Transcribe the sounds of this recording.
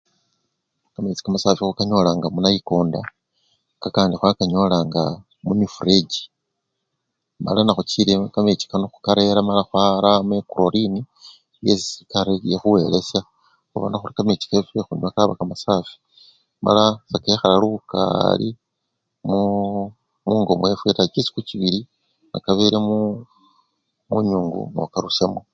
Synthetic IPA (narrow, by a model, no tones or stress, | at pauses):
kamet͡si̥kamasaːfixukaɲo̞laːŋɡamunajiko̞ːnda | kakaːndixwakaɲo̞laːŋɡa | mumifuɾeɟi̥ | ma̰lanaxut͡ʃiɾekamet͡ʃi̥kanoxu̥kaɾe̞ɾamalaxwaɾamekuɾoɾini | jesikaɾejexuwe̞ːle̞sja | xuβa̰naxuɾikamet͡ʃi̥kaefɾexuniakaβakamasaːfi̥ | ma̰lasakexalaluβuka̰li | mu | muːŋɡo̞mwefwetat͡ʃisi̥kut͡ʃiβiɾi | nakaβeɾemu | muɲuːŋɡṵno̰kaɾusemwe